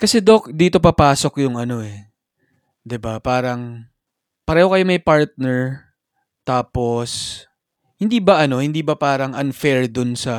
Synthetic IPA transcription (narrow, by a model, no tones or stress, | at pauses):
kɐsɛd̪o̞k̚d̪iːt̪o̞pɐpaːso̞kjʊŋʔɐno̞ʔɛ | d̪ɪbapaːɾɐŋ | pɐɾɛːho̞kɐjo̞mɐjpaɹt̪̚nɛɹ | t̪aːpo̞s | hɪnd̪iːbɐʔɐno̞hɪnd̪iːbɐpaːɾɐŋʔɐnfɛɹd̪ʊnsɐ